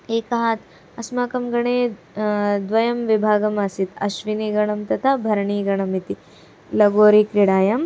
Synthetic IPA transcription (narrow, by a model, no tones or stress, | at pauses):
eːkɐɦat̪ʰ | ɐsmaːkɐmɡɐɳeː | d̪ʋɐjɐmʋibʱaːɡɐmaːsit̪ɐ̰ʃʋiniːɡɐɳɐmt̪ɐt̪ʰabʱɐɾɳiːɡɐɳɐmit̪i | lɐɡoːɾikɾiɽaːjɐm